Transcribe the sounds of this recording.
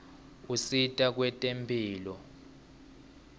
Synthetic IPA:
usitʼak̬wɛtʼempʰʼiːlɔ

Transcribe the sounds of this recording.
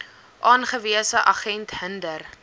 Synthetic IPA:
ʔɑːnχəviəsəʔɐχɛntɦəndər

